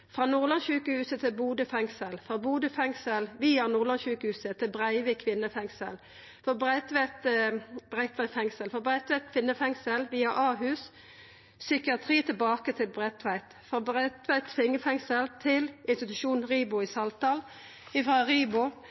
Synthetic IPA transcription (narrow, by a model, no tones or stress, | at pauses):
fʁɑːnuːʁlɑnçʉːkəhʉːsət̪ʰɪlbuːd̪əfɛŋsəlfʁɑːbuːd̪əfɛŋsəlʋiːɑnuːʁlɑnçʉːkəhʉːsət̪ʰɪlbʁæɪʋəkʰʋɪnːəfɛŋsə̰l | fɔbʁæɪt̪ʋæɪt̪bʁɛɪt̪ʰʋæɪt̪fɛŋsəlfɑbʁæɪt̪ʋæɪt̪̚kʰʋɪnːəfɛŋsəlʋiːɑʔɑːɦʉːs | sʏkɪɑt̪ʰʁiːt̪ʰɪlbɑːkət̪ʰɪlbʁɛt̪ʰʋæɪt̪fʁɑbʁɛt̪ʋæɪt̪fɪŋːəfɛŋsəlt̪ʰɪlʔɪnst̪ɪt̪ʉʃuːnʁiːbʊɪsɑlt̪ɑːl | ɪfɾɑʁiːbʊ